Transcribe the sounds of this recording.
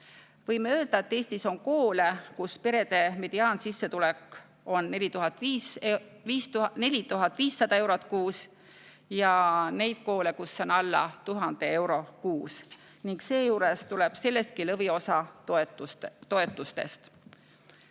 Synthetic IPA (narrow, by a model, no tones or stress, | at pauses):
vɤjmeøːld̪̥ɑe̞t̪ːe̞ːsʲt̪iso̞nko̞ːle̞kuspe̞ɾe̞d̪̥e̞me̞d̪̥iɑːnsisːe̞t̪ulekːˑ | o̞nːe̞lʲit̪uɦɑt̪ːˑi | viːstne̞lʲit̪uɦɑt̪ːˑviːsːɑd̪̥ɑe̞wɾot̪ˑkuːs | jɑne̞jd̪̥̚ko̞ːle̞kusːonɑlːɑ̰t̪uɦɑnd̪̥e̞e̞wɾo̞kuːs | niŋkse̞ːjuːɾest̪uleb̥se̞lːe̞st̪̚kilɤvio̞sɑt̪t̪o̞e̞t̪ːˑust̪e̞̰st̪